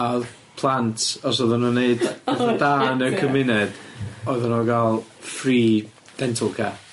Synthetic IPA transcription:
a | pʰlˠantʰɔs̬ɔðɔnoneɨddaːnəkʰəmɪnɛd̥ɔɨðanɔɡalˠfriː | d̥ɛntʰəlˠkʰɛ

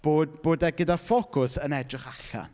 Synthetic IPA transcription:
b̥oːd̚b̥oːdɛɡədafɔkʰʊsənɛdrɪχaɬa̰

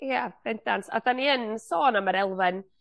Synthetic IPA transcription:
jab̥ɛndansa̰ðaniənsoːnaməɾɛlˠvɨn

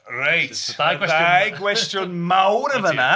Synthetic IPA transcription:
rajtawɛajɡwɛstjɔnmawɾəvəna

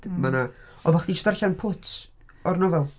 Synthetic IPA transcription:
d̥mana | ɔvaχdistarɬanpʰʊtʰ | ɔrnɔvɛlˠ

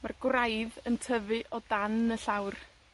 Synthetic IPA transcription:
marɡ̥wrajðəntʰəvɨʔɔdanəɬawr

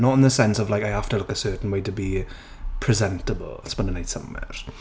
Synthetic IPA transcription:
nətɪ̃nðəsɛ̃nsəvlaɪkaɪhaftəlʊkəsɜːˑʔn̩weɪtʰəbi | pʰɹ̥ɪzɛ̃ntəbə̰lˠspɪ̃nɪ̃naɪtsʌ̰̃mwɛ̰ɹ

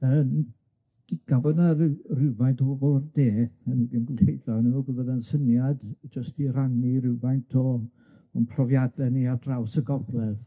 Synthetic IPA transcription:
ən | ɡ̥ɪɡ̥abɔnarrɪvajntʰɔbɔbɔlˠrdeːənudinɡlejðɔnuɡəvəðansənjadd͡ʒəstiraniɾɪwvajntʰɔ | əmpʰrɔvjadɛniadrawsəɡɔblˠɛð

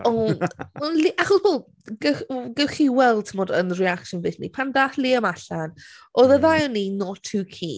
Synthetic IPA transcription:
ɔnɔnliʔaχɔsb̥oːlˠ | ɡəɡəχiwɛlˠdtʰmɔdənrɛakʃɔnvɨθnḭpʰandaːθliəmaɬan | ʔɔðəðajɔninɔtʰuːkʰḭː

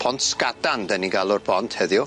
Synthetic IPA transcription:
pʰɔntskadandəniɡalˠʊrbɔntʰhəðjʊ

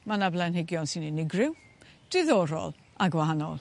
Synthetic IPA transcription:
manablˠɛnhɪɡjɔnsɪnɪnɪɡrɪw | d̥ɪðɔɾɔ̰lˠ | aɡwahanɔ̰lˠ

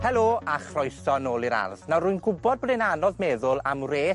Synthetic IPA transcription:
hɛlˠoːaχrɔjsɔnoːlˠiɾa̰rðnawruɨnɡʊbɔd̚bdɪnanɔðmɛðʊlˠamreː

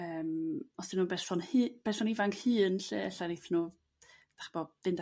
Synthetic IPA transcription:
əːmɔsd̥ɪmnuːbɛrsɔnhɨːb̥ɛsɔnivaŋkʰhɨːnɬeːɛ̰ɬanejθnuː | d̥aχb̥ɔdɪnda

